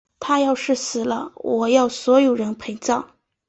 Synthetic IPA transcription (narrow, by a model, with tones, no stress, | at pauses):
t̪ʰa˥jɑ˥˧ʊʂɻ̩˥˩sɹ̩˧˥lə˧˦wɔ˨˩jɑ˥˩ʊswɔ˧˥jo˨˩ʊɻə˧˥npʰe˧˥ɪŋt͡sɑ˥˩ʊ